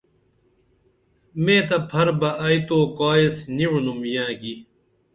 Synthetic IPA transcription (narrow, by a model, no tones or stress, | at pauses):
mẽːt̪ɐpʰɐɾbɐʔɐjt̪oːkaːisniwunumjãːɡi